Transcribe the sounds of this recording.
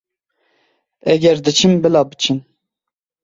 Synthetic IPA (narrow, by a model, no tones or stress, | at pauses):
ɛɡʲɛɾd̪ɨt͡ʃʰimbɨlɑːbɨt͡ʃʰin